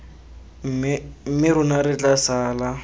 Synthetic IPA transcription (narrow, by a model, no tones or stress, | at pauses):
m̩mɪɾʊnaɾɪt͡ɬʼasaːla